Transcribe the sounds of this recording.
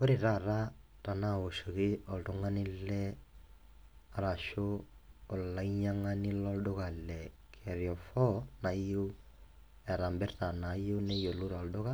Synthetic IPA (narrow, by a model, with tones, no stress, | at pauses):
ko˦ɾe˨ɾa˦˨ɾa˦ | ta˨na˦˨o˨ʃo˨kɪ˦ɔ˨ltʊ˦ŋa˦nɪ˦lɛ˦ | a˨ɾa˨ʃoː˦˨ | la˨iɲa˦ŋa˦nɪ˦lɔ˦ldʊ˦ka˨lɛ˨ | kʰɛ˨ɾjɔ˨fɔ˦na˨jo˦ | ɛ˨ɾa˨mbɪ˦rta˨na˨jo˦ne˦jo˨lu˦ɾɔ˨ldʊ˦ɣa˦